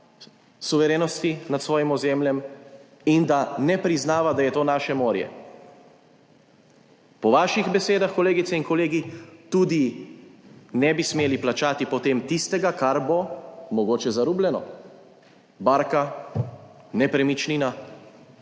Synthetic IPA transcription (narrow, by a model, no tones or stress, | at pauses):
suʋɛɾeːnɔst̪inat̪sʋɔːjimɔzeːmljɛm | ind̪anɛpɾiznaːʋad̪ajɛt̪oːnaːʃɛmoːɾjɛ̰ | pɔʋaːʃiɣbɛseːd̪axkɔleːɡit̪sɛinkɔleːɡit̪uːd̪i | nɛbismeːliplat͡ʃaːt̪ipɔt̪eːmt̪ist̪ɛɡakaɾbomɔɡoːt͡ʃɛzaɾuːblʲɛnɔ̰ | baːɾka | nɛpɾɛmit͡ʃnina